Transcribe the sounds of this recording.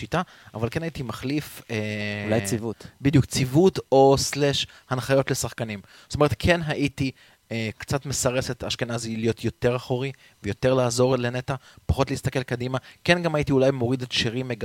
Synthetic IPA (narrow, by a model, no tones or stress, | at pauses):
ita | avalkenhaitimaχlifelajt͡sivutbid̪ijukt͡sivuto̞sleʃ | hanχajo̞t̪lesaχkanim | zo̥tome̞ʁetkʰe̞nɦaʔiti | ekt͡satmesaʁesetaʃkenazilijo̞tʰjo̞te̞ʁaχoʁi | vejo̞te̞ʁlaːzo̞ʁlenetapaχo̞tleist̪ake̞lkadimake̞nɡamaitiulajmo̞ʁidetʃiʁimeɡ